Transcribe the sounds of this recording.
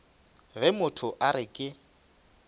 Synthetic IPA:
βɛmʊtʰʊʔaɾɪkʼɪ

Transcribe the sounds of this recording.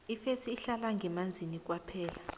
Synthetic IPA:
ifesiːɬalaŋɡɛmand͡zʱinik̬ʼwapʰɛːla

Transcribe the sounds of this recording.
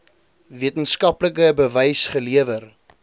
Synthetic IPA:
viətənskɐpləkəbəvɐjsχəliəvər

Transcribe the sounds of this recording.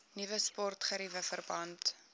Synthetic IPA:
nivəspɔrtχəɾivəfərbɐnt

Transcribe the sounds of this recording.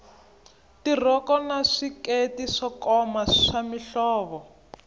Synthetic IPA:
tir̤ɔkɔnaʂiketiʂɔkɔmaʂamiɬɔːβɔ

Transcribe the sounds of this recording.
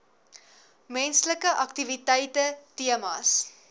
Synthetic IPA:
mɛnsləkəʔɐktivitɛjtətiəmɑ̰ːs

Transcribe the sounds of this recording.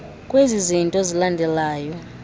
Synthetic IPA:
kʼwezizintʼɔzilandʱɛlaːjɔ

